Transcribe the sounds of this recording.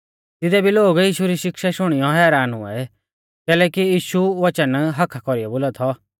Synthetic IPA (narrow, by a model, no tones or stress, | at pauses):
t̪ɪd̪ɛbʱiloːɡiːʃuɾiʃɪkʃaʃʊɽ̃ɪjɔɦɛːɾaːnɦʊ̰̃ɛ̰ | kɛːlɛːkiiːʃuʋɐt͡ʃənɦɐkʰakɔɾijɔboːlat̪ʰɔ